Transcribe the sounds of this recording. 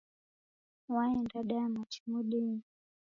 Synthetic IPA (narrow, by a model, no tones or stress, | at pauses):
waɛndaɗamat͡ʃi̥muɗin